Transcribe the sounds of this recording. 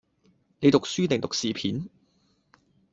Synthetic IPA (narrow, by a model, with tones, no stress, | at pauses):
ne˨˧jt̪ʊ˨k̚syː˥t̪ɪ˨˩ŋt̪ʊ˨k̚siː˨pʰḭː˨˥n